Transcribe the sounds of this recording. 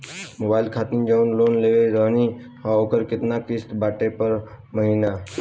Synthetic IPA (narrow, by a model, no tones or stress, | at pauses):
mobaːilkʰat̪ind͡ʒaunloːnleʋeɾəɦni | ɦaokəɾkɪt̪nakɪst̪baʈepəɾ | məɦina